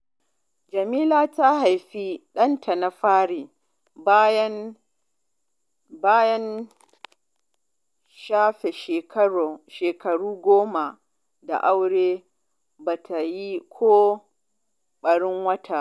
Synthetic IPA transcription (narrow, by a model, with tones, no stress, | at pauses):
d͡ʒɐ˨miː˦laː˦ta˦ɦa˨jɸiː˦ɗɐ˦ntʰa˨na˨ɸaː˦ɽiː˨ | bjɐ˦ | baː˦jɐ˦n | ʃaː˦ɸe˨ʃeː˨kɐ˦ɽo˨ʃeː˨kɐ˨ɽuː˦ɡʷoː˦ma˨ | da̰˨ʔa˦wɽeː˦ | baː˨tʰa˨ji˦kʷʰoː˦ | ɓɐ˨ɽɪ˦ŋwɐ˦tʰa˨ʔ